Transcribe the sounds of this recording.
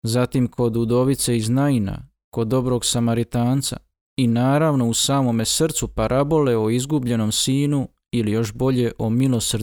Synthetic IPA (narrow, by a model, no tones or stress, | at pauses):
zat̪imkʰo̞d̪ud̪o̞ʋit̪seiznaina̰ | ko̞d̪ːo̞bɾo̞ɡsamaɾit̪aːnt̪sa̰ | inaːɾaʋno̞usaːmo̞me̞sr̩t̪supaɾʔabo̞le̞oizɡubʎe̞no̞msiːnu | ilijo̞ʃbo̞ʎe̞ʔomilo̞sr